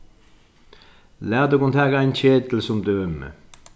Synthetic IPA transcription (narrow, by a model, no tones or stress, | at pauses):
læːʁd̪ʉːkʊnt̪ʰɑɡæɪnçeːd̪l̩sʊmd̪øːœmə̰